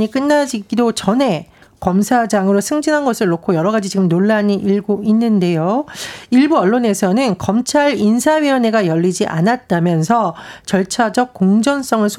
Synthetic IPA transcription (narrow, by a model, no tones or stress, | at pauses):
ik͈ɯnːad͡ʑiɡidot͡ɕʌne̞kʌmsʰad͡ʑaŋɯɾosʰɯŋd͡ʑinɦanɡʌsʰɯɭːokʰojʌɾʌɡad͡ʑit͡ɕiɡɯmnoɭːaɲiʔiɭɡoinːɯnde̞joiɭbuʌɭːone̞sʰʌnɯnkʌmt͡ɕʰaɾinsʰaɥiʌne̞ɡajʌʎːid͡ʑiʔa̰nat̚t͈amjʌnsʰʌt͡ɕʌɭt͡ɕʰad͡ʑʌk̚k͈oŋd͡ʑʌns͈ʌŋɯɭsʰ